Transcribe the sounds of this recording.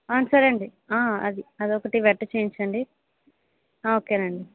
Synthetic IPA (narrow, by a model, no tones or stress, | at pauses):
aːnsɐɾɐɳɖi | aːɐ̰d̪iɐd̪iɔkɐʈiʋɛʈːɐt͡ʃeːiɲt͡ʃɐɳɖi | oːkeːnɐɳɖi